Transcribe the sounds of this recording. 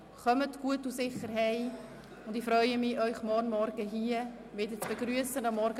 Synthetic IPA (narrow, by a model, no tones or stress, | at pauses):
χœmətɡ̥uətusɪχəɾɦɛɪ | ʊndɪfɾœʏəmɪʔœʏχmɔnmɔɾɡəɦiːə | mɪdət͡sb̥əɡɾyəsənɑmːɔɾɡə